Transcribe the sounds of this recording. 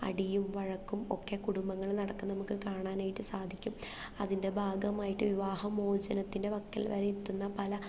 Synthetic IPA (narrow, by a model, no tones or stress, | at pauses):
ɐ̰ɽijumʋɐɻɐkːumo̞̰kːe̞kuɽumbɐŋːɐɭnɐɽɐkːɨnɐmukːɨkaːɳaːnaːjiʈːɨsaːd̪ʱikʲːum | ɐ̰ðinde̞bʱaːɡɐmaːjiʈːɨʋiʋaːhɐmo̞ːd͡ʑɐnɐt̪ːinde̞ʋɐkːɐ̰lʋɐ̰ɾeit̪ːunːɐpɐlɐ